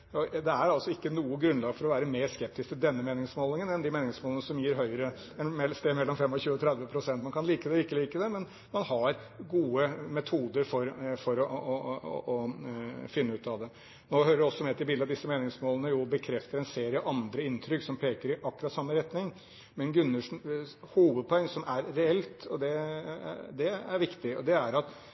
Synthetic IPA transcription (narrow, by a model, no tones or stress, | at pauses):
ɔd̪ɛæɾɑlsɔɪkːənuːəɡɾʉnlɑːɡfɔɾɔʋæːɾəmeːʂkɛp̚t̪ɪskt̪ɪd̪ɛnːəmeːnɪŋsmoːlɪŋənɛnd̪ɪmeːnɪŋsmoːlənəsɔmjiːɾɦœʏəɾə | mɛst̪eːmɛlːɔmfɛmːɔçʉːət̪ʰɾæd̪ʋəpʰɾʊsɛnt̪mɑnkʰɑnliːkəd̪ɛɪkːəliːkəd̪ɛmɛn | mɑnhɑɾɡuːəmɛt̪ʰuːd̪əɾfɔɾfɔɾɔɔ̰ɔ | fɪnːəʉːt̪ɑʋd̪ɛ | noːhøːɾəɖɔsːɔmɛt̪ʰɪlbiːld̪ɑd̪ɪsːəmeːnɪŋsmoːlˠənəjʊbəkʰɾɛft̪əɾɛnseːɾɪəəʔɑnd̪ɾəɪnt̪ʰɾʏksɔmpʰeːkəɾɪʔɑkːʉɾɑt̪sɑmːəɾɛt̪nɪŋ | mɛnɡɾʉnːəʂn̩ | huːʋəd̪̚pʰɔɛŋsɔmʔæɾːɛɛlt̪ɔd̪ɛ̰ | d̪ɛæɾʋɪkt̪ɪɔ̰d̪ɛæɾɑt̪